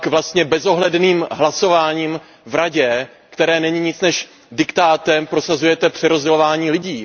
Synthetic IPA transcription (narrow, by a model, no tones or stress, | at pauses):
kvlast̪ɲɛbɛzo̞ɦlɛdniːmɦlaso̞vaːɲiːm | vɾaɟɛ | kt̪ɛɾɛːnɛɲiɲɪt͡snɛʃ | dɪkt̪aːt̪ɛmpɾo̞sazujɛt̪ɛpr̥ɛɾozɟɛlo̞vaːɲiːlɪɟiː